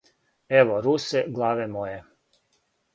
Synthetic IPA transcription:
eʋoɾuseɡlˠaːʋemoje

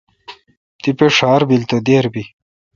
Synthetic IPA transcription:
tt̪ipeʂaːɾbilt̪od̪eːɾbi

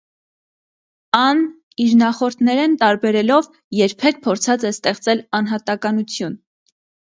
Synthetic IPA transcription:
ɑn | iɾnɑχɔɾt̪ʰnɛɾɛnt̪ɑɾbɛɾɛlɔv | jɛɾpʰɛk̚pʰɔɾt͡sʰɑt͡sɛst̪ɛχt͡sɛlɑnɦɑt̪ɑkɑnut͡sʰjun

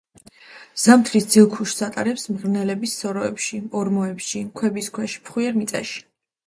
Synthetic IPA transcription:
z̥amt̪ʰɾisd̪z̥ilˠkʰuʃsat̪ʼaɾɛpsmʁɾnɛlɛbisːɔɾɔɛpʃiɔɾmɔɛpʃikʰwɛbiskʰwɛʃi̥pʰχwiɛɾmit̪sʼɛ̰ʃi̥

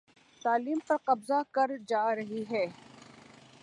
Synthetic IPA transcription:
saːliːmpɐɾqɐbzakɐɾd͡ʒaːɾɐɦiɦɛː

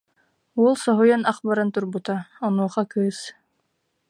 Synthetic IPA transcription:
ulˠsɔɦujanɑqbaɾant̪uɾbut̪aɔnuɔqɑkɯːs

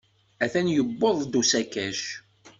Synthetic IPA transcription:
æθænjəbːoðˤd̪usækæʃ

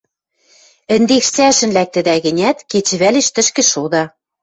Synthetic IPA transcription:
ɘ̆nd̪ekʃt͡sæʃɘ̆nlæk̚t̪ɘ̆d̪æɣɘ̆nʲæt̪ket͡ɕɘ̆βæleʃt̪ɘ̆ʃkɘ̆ʃod̪ɑ

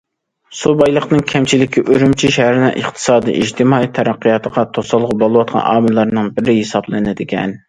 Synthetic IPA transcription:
subɑjlˠəqnɨŋkʲʰɛmt͡ʃʰilɪkʲʰːiʔøɾymt͡ʃʰiʃɛɦæɾɪnɨŋʔəχt̪ʰɨ̥sɑːd̪ḭʔid͡ʒt̪ʰɪmɑːit̪ʰɛɾæqːijɑt̪ʰəʁɑt̪ʰosɑlˠʁbolˠɨwɑt̪̚qʰɑ̰nʔɑ̰ːmɨlˠɑɾnɨŋbɪɾɪɦesɑblˠɨnɪd̪ɪkʲʰɛ̰n

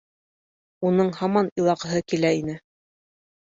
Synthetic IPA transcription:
unɤɴhɑmɑnilˠɑqɤ̆ɦɤkilæin̪ɘ

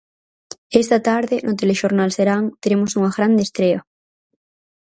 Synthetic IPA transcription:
est̪at̪aɾðenʔot̪eleʃoɾnalseɾaŋt̪eɾemosuŋaɣɾand̪est̪ɾea

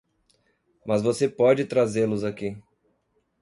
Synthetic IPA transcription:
mɐzvosepɔd͡ʒɪt̪ɾazelʊzaki

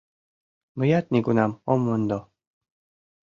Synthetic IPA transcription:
məjat̪nʲikunamomːənd̪o

